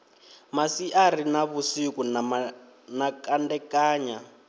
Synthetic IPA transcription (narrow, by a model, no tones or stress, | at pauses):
masiʔaɾinaβusikun | nakandɛkaːɲa